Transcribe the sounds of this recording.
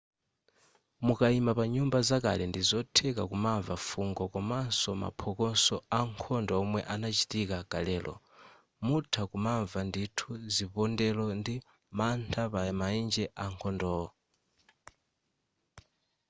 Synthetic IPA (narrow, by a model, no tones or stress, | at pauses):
mukaimapaɲumbazaka̰lɛndizɔtʰɛkakumaɱvafuŋɡɔkɔmansɔma̰pʰɔkɔnsɔaŋkʰɔndɔɔmwɛʔanat͡ʃitikakalɛːlʔɔ̰ | mutʰakumaɱvanditʰuzipɔndɛlɔndi | mantʰapamaind͡ʒɛʔaŋkʰɔndɔ